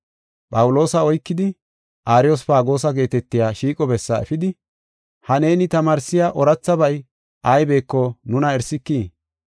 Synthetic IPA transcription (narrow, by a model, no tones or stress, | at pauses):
pʼɐwʊlo̞ːsɐɔjkːɪd̪ɪ | ʔaːɾɪjosfaːɡo̞ːsɐɡe̞ːt̪ɛt̪ːɪjaːʃiːkʼɔbɛsːɐɛ̰fɪd̪ɪ | hɐne̞ːnɪt̪ɐmaːɾsɪjaːʔɔɾɐt͡sːɐbɐj | ʔɐjbe̞ːkːɔnʊnɐɛɾsɪkːiː